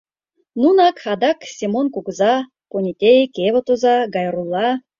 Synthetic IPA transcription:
nunɑkad̪ɑksʲimonkukza | ponʲit̪ʲejkʲevət̪ozɑɡɑjɾulˠːɑ

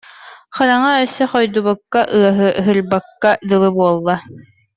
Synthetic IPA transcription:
χɯɾaŋaœsɛχɔjd̪uβɔkːaʔɯɐɦɯɦɯɾbakːad̪ɯlˠɯbuɔlˠːa

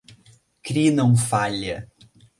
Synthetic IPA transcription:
kɾinɐ̃w̃faʎɐ

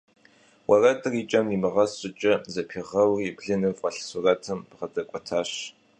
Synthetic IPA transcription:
wɐrɐtʼɨriːt͡ʃʼɐmimɨʁɐsʼɪt͡ʃʼɐzɐpʰiʁɐwriːbɮɨnɨvqɐɬsʊrɐtʰɨmpʁɐdɐkʷʼɔtʰaːɕ

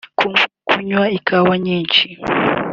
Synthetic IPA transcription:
kkʰʊɲwaɪkawaɲant͡ʃɪ

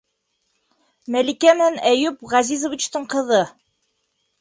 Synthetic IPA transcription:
mælikæmɘ̆nænæjʉpʁɑzizŏvʲit͡ɕt̪ɤɴqɤ̆ðɤ

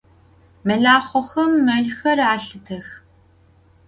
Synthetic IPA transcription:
mɐɮaːχʷɔxɐmːɐɮxɐraːɬɨtʰɐx

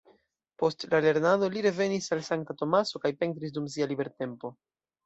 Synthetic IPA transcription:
po̞stlale̞ɾnado̞liɾe̞ve̞nisalsaŋk̚tato̞maso̞kajpe̞ntɾis̬dums̬ialibe̞ɾte̞mpo̞

